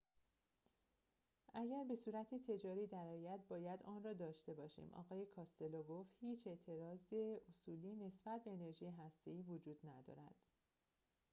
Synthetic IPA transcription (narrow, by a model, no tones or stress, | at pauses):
ʔæɟæɾbe̞suːɾæt̪ʰet̪ʰe̞d͡ʒɒːɾiːd̪æɾɒːjæd̪̚bɒːjæd̪ɒːnrɒːd̪ɒːʃt̪e̞bɒːʃḭːmʔɒ̰ːɣɒːje̞kʰɒːst̪e̞lɒːɡoft̪hiːt͡ʃʰe̞ʔt̪ʰe̞ɾɒːzeosuːliːne̞sbæt̪̚ʰbe̞ːne̞ɾʒiːjeɦæst̪e̞iːvod͡ʒuːd̪næd̪ɒ̰ːɾæ̰d̪̥